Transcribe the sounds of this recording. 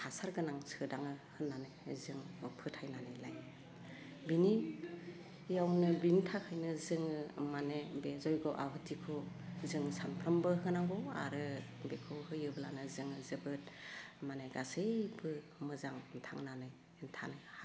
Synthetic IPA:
kʰasaɾɡɯnaŋsɯdaŋɯhɯnːanɯjzɯŋpʰɯtʰajnanɯjlaj | bini | jawnɯbintʰakʰɯjnɯzɯŋɯmanebezɔjɡɯwʔa̰ɦɯtʰikʰo | zɯŋsanpʰɾambɯɦɯnaŋɡɔwa̰ɾɯ | bekʰɯwhɯjɯbɯlanɯzɯŋɯzɯbɯt̚maneɡasebɯ | mɯzaŋntʰaŋnanɯj | ntʰa̰nɯ

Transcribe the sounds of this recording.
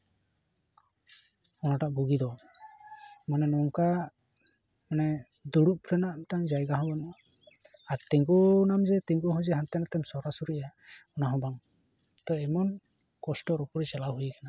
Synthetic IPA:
ɔnaʈaʔbuɡid̪ɔ | manɛnɔŋka | manɛ | d̪uɽuʔ̚pʰlɛnaʔʈaŋd͡ʒajɡaɦɔ̃bɔna | aɾt̪iŋɡunamd͡ʒɛt̪iŋɡuɦɔd͡ʒɛɦant̪ɛnat̪ɛmsɔɾasuɾijaɔnaɦɔbaŋ | t̪ɔɛmɔn | kɔsʈɔɾɔpɔɾit͡ʃalawɦujkana

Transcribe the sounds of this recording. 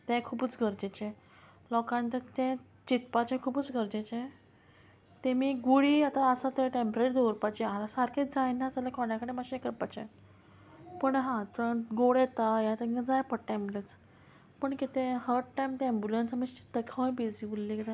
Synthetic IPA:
t̪ɛ̃kʰuːbət͡sɡʱəɾd͡ʑet͡ɕɛ̃ | lɔkãnt̪at̪ɛ̃ | t͡ɕit̪pat͡ɕɛ̃kʰuːbət͡sɡʱəɾd͡ʑet͡ɕɛ̃ | t̪ɛ̃miːɡuɽiːat̪aəsat̪ɛ̃ʈempɾeʈd̪oɾpat͡ɕialasaɾkʰed͡zajnat͡salakʰɔɳjakəɽemaɕekəɾpat͡ɕḛ̃ | pəɳɦãt̪ə̃ɡoɽɛt̪ajãt̪eəd͡zajpəʈʈɛ̃mblət͡s | pəɳkit̪ẽɦəɾʈʈːajmt̪ɛmbjulənsməsi̥t̪əkʰawj̃bid͡zibulːikit̪ẽ

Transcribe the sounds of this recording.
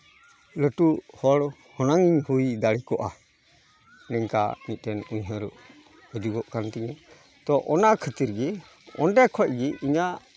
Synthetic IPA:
ləʈuhɔɽ | hɔnaŋiɲhujd̪aɽikɔʔa | nɛɲka̰mit̪̚ˀtɛnuɲɦəɾuʔ | əd͡ʒuɡɔʔkant̪iɲa | t̪ɔʔɔnakʰət̪iɾɡɛ | ɔnɖɛkʰɔc̚ɡiiɲaʔ

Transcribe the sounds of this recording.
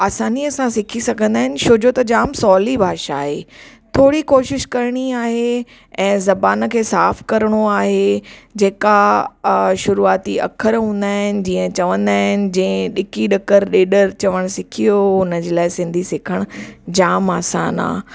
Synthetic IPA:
aːsaːniɐsãsɪkʰisɐɡʱə̃nd̪aːɦɪnɪ̆ʃoːd͡ʑot̪ɐd͡ʑaːmsɔːlibʱaːʃa̰ːɦe | t̪ʰoːɽikoːʃɪʃkɐɾɽ̃iaːɦe | ɛ̃ːzɐbaːn̆kʰeːsaːfkɐɾɽ̃oaːɦed͡ʑeːka | ʃʊɾuaːt̪iɐ̰kʰəɾɦũːnd̪aːɦɪnɪ̆d͡ʑiːə̃t͡ɕɐʋə̃nd̪aːɦɪnɪ̆d͡ʑĩːẽɗɪkiɗɐkəɾɗeːɗəɾt͡ɕɐʋəɽ̃sɪkʰijoɦʊnəd͡ʑeːlaːɪsɪ̃nd̪ʱisɪkʰəɽ̃d͡ʑaːma̰ːsa̰ːna̰ː

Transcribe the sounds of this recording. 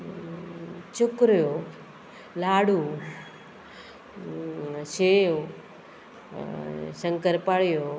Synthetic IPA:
t͡ʃʊkɾjo | laːɽu | ʃeo | səŋkəɾpaɭjo

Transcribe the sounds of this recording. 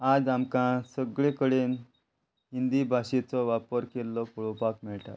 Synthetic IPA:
ad͡zamkãsəɡɭẽkəɽen | ɦind̪ibʱaɕet͡sɔʋapəɾkelːɔpuɭɔpakmɛɭʈa̰t̪

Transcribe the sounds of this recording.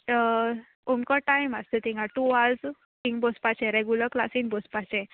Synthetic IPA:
umkɔʈajmast̪et̪ĩŋɡaʈuald͡z | t̪ĩŋbɔspat͡ɕɛ̃ɾeɡuləklasĩŋbɔspat͡ɕɛ̃

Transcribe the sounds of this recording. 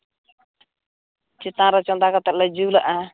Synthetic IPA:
t͡ʃit̪ãɾɔt͡ʃɔnd̪akɔt̪ɛʔ̚lad͡ʒulaʔa

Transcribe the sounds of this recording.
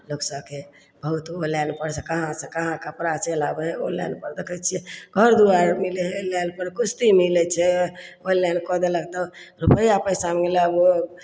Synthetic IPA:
loksəbke | bəɦut̪olɛnpəɾt͡ʃʰəkəɦãsẽkəɦãkəpɾat͡ʃelabeo̰lɛ̰nɖpəɾd̪ekʰət͡ʃʰɛɡʱəɾd̪uaɾmilelɛnpəɾkust̪imilɛt͡ʃʰɛolɛnkɔd̪elək̚t̪ɔɾupəjapəsammilabo

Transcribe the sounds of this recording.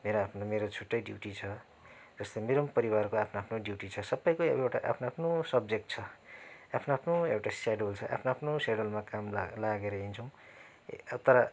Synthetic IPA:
meɾoapʰnomeɾot͡sʰuʈːʌjɖjiwʈit͡sʰʌ | d͡zʌst̪ʌjmeɾʌmpʌɾiwarkoapʰnoapʰnoɖjuʈit͡sʰʌsʌbːʌjkoḛewʈa̰ʔa̰pʰnoapʰnosʌb̚d͡zek̚ʈ̚t͡sʰʌapʰnoapʰnoewʈasaɖolt͡sʰʌʔa̰pʰnoapʰnosaɖolmakamlaɡeɾʌɦint͡sʰʌ̃w̃ | t̪ʌɾʌ

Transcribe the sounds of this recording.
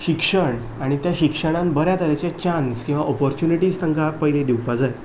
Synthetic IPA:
ɕikʂəɳ | aɽ̃it̪jaɕikʂəɽ̃ãnbəɾjat̪əɾet͡ɕat͡ɕanskĩw̃ʋaʔɔpɔɾt͡ɕuniʈiːst̪ʰəŋkapəjiled̪iwpad͡zaj

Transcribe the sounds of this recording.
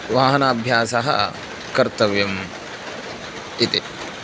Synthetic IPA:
ʋaːɦɐnaːbʱjaːsɐɦɐ̰ | kɐɾt̪ɐʋjɐm | it̪i

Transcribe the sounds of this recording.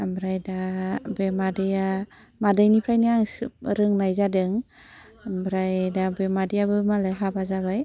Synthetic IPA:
ambɾajdabemadɯja | madajnipʰɾajniaŋsɾɯŋnajzadɯŋ | mbɾajdabemadejabɯmalajɦabazabaj

